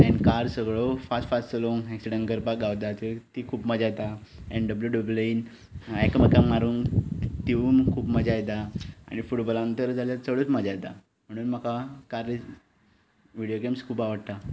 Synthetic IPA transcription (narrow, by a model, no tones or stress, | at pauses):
ɛ̃nkaɾsəɡɭofasʈfassəloŋeksiɽənɡəɾpak̚ɡaʋt̪at̪et̪ikʰuːpməd͡ʑajt̪aɛ̃nɖəbljuɖəblin | ekməkamaɾuːnt̪iuːnkʰuːpməd͡ʑajt̪aa̰ɽ̃ifuʈbəlant̪əɾd͡zʱaljat͡səɭot͡sməd͡ʑajt̪a | m̤əɽ̃uːnməkakaɾ | ʋiɽijokemskʰuːpaʋəɽt̪a